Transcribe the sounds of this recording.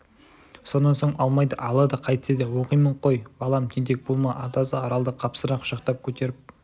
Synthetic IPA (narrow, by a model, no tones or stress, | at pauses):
so̞nːɑnso̞ɴɑlˠmɑjd̪əʔɑlˠɑd̪əqʰɑjt̪ə̥sed̪ɪwo̞qəjməɴqʰo̞jbɑlˠɑmt̪ʲʰend̪e̞k̚bolˠmɑʔɑt̪ɑsəɑɾɑlˠd̪əqʰɑpsəɾɑqʰʊ̥ʃɑqt̪ɑp̚kʲʰɵt̪e̞ɾɪp̚